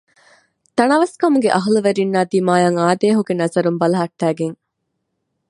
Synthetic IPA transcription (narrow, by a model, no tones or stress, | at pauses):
t̪ɐnɐʋɐskɐmuɡeʔɐɦuluʋeɾinːaːd̪iːmaːjɐŋaːd̪eːɦuɡenɐzɐɾumbɐlɐɦɐʈːæːɡeŋ